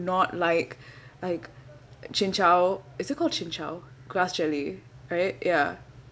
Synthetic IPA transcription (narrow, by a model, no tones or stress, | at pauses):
nɔtlaɪklaɪk | t͡ʃɪ̃nt͡ʃaʊɪsɪt̚kʰɔlˠd̚t͡ʃʰɪ̃nt͡ʃaʊɡ̥lasd͡ʒɛliɹaɪt̚ja